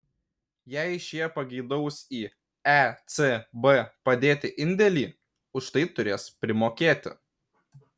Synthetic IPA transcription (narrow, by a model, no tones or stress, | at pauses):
jɛɪʃʲjiɛpɐɡʲɛɪd̪ɐʊsiː | ɛt̪sʲebepɐd̪ʲeːt̪ʲɪʔɪnʲd̪ʲɛlʲiː | ʊʃt̪ɐɪt̪ʊɾʲeːspʲɾʲɪmoːkʲeːt̪ʲɪ̰